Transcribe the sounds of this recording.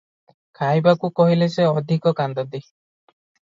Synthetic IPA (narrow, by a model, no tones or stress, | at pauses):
kʰajbakukɔɦileseɔd̪ʱikɔkand̪ɔd̪i